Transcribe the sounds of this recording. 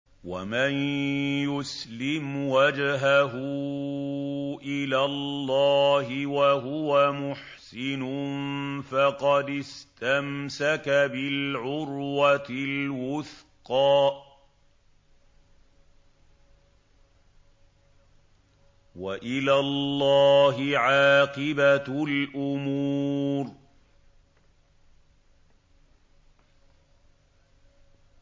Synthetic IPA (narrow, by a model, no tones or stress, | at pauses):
wamanjʊslɪmwad͡ʒɦaɦʊ | ʔɪlaːlːɑːɦɪwaɦʊwamʊħsɪnʊnfɑqɑd̪ɪst̪amsakabɪlʕʊɾwat̪ɪlwʊθqɑː | waʔɪlaːlˤːɑːɦɪʕaːqɪbalʔʊmuːɾ